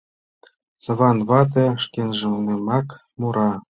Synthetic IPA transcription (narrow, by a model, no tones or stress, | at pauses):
sɤ̆βɑnβɑt̪̬ĕʃkenʒĕnemɑk | muɾɑ